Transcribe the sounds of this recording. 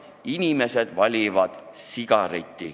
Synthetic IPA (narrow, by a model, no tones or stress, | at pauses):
inʲime̞se̞d̪̥vɑlʲivɑd̪̥siɡ̥ɑɾit̪ʲːi